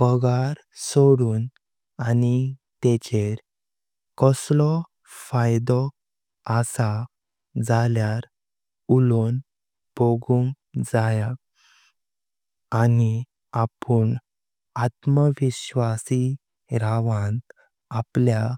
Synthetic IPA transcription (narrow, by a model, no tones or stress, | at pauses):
pəɡaɾ | soɽuːn | ani | t̪ɛt͡ɕeɾ | kɔslɔ | fajd̪ɔ | asa | d͡zaljaɾ | ulon | b̥oɡũŋɡd͡zaja | ni | apən | at̪məʋiɕʋasi | ɾaʋãn | aplja